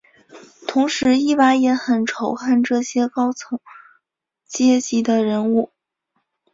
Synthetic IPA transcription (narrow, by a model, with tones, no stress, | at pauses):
t̪ʰʊ˧˥ŋʂɻ̩˧˥i˥˩pa˧˥ɪjɛ˧˥xə˨˩nʈ͡ʂʰo˧˥ʊxa˥˧nʈ͡ʂɤ˥˩ɕjɛ˥kɑ˥ʊt͡sʰɤ˧˥ŋ | t͡ɕjɛ˥t͡ɕi˧˥d̪ə˧ɻə˧˥nu˥˩